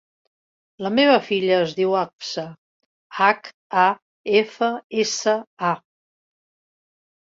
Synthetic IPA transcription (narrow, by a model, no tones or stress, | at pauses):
ləmeβ̞əfiʎəːzðiwapsə | ak | a | efəesəa